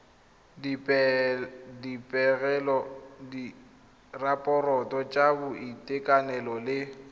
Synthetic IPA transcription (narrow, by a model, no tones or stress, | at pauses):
pɛ | dipʼɛɣɛlɔdi | rapʼɔrɔtʼɔt͡ʃʼabʊitʼɪkʼanɛlɔlɪ